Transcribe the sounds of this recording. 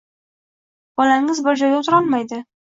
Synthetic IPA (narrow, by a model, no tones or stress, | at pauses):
b̥ɒlaŋɪzbɪɾd͡ʒɒjʊt̪ʰɪɾɒlˠmajd̪ɪ